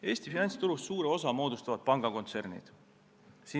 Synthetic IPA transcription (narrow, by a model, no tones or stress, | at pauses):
e̞ːst̪ifinɑnʲt̪st̪uɾussuːɾeo̞sɑmo̞ːd̪ust̪ɑvɑd̪̚pɑŋɡ̥ɑko̞nt̪se̞rnḭd̪̥ | siː